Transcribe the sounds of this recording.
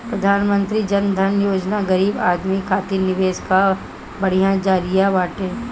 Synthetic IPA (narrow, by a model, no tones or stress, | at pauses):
pɾəd̪ʱaːnmə̃nt̪ɾid͡ʒɐnd̪ʱɐnjoːd͡ʒnaɡɐɾiːbaːd̪mikʰaːt̪inɪʋeːska | bɐɽ̤ijãd͡ʒaːɾijabaːʈẽː